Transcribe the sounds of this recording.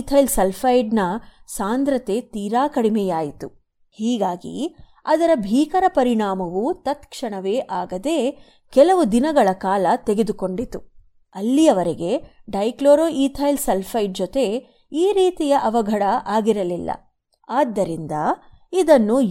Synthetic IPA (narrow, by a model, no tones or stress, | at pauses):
t̪ʰɐjlselpʰɐjɖnɐsaːnd̪ɾɐt̪e̞t̪iːɾaːkɐɽimɛjaːjit̪u | hiːɡaːɡḭ | ɐd̪ɐɾɐbʱiːkɐɾɐpɐɾiɳaːmɐʋut̪ɐt̪kʂɐɳɐʋe̞ːʔaːɡɐd̪eː | kɛlɐʋud̪inɐɡɐɭɐkaːlɐt̪eɡe̞d̪uko̞ɳɖit̪u | ɐlːijɐʋɐɾeɡe̞ɖɐjkloːɾoːʔiːt̪ʰɐjlselpʰɐjɖ̚d͡ʒɔt̪e̞ | iːɾiːt̪ijɐʔɐʋɐɡʱɐɽɐʔaːɡiɾɐlilːɐ̰ | aːd̪ːɐɾind̪ɐ | id̪ɐnːu